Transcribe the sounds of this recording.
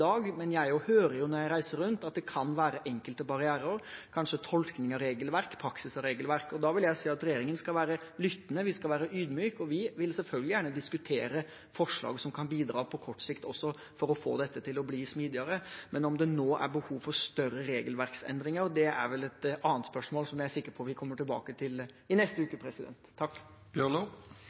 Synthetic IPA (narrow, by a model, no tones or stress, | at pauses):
ɑːɡmɛnjæɪhøːɾəɾjʊnɔɾjæɪɾæɪsəɾːʉnt̪ɑt̪̚d̪ɛkʰɑnʋæːɾəʔɛŋkəlt̪əbɑɾɪæːɾəɾkʰɑnʂət̪ʰɔlknɪŋɑɾeːɡəlʋæɾkpʰɾɑksɪsɑɾeːɡəlʋæɾkɔd̪ɑʋɪljæɪsiːɑt̪ɾɛjeːɾɪŋənskɑlʋæːɾəlʏt̪ːnəʋɪskɑlʋæːɾəʔyːd̪myːkɔʋɪʋɪlsɛlfœlɡəlɪjæːɳəd̪ɪskʉt̪ʰeːɾə | fɔʂɭɑ̰ːɡəsɔmkʰɑnbiːd̪ɾɑːpʰɔkʰɔʈːsɪkt̪ɔsːɔ | fɔɾɔfo̰ːd̪ɛt̪ːət̪ʰɪlɔbliːsmiːd̪ɪəɾəmʔɛnɔmd̪ɛnoːʔæ̰ɾbəhuːʋfɔɾst̪œɾəɾeːɡəlʋæɾksɛ̰nd̪ɾɪŋəɾd̪ɛæ̰ɾʋɛlɛt̪ɑːənt̪spœʂmoːlsɔmjæɪæsɪkːəɾpʰɔʋɪkʰɔmːəʈʰɪlbɑ̰ːkət̪ʰɪl | ɪnɛst̪əʉːkəpʰɾɛsɪd̪ɛ̰nt̪ʰːɑkː | b̥jøːno